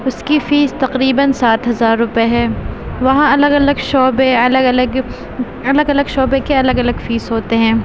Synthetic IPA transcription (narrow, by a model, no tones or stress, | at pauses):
ʊskifiːst̪ɐqɾiːbənsaːt̪ɦɐzaːɾːʊpeɦɛːʋɐɦãɐləɡɐləɡʃɔːbeɐləɡɐləɡ | ɐləɡɐləɡʃɔːbekeɐləɡɐləɡfiːsɦoːt̪eɦɛ̃ː